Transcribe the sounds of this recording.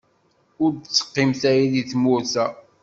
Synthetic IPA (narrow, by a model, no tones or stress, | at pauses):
ʊɾd̪t͡sːə̥qːimθæjiðiθmʊɾθæ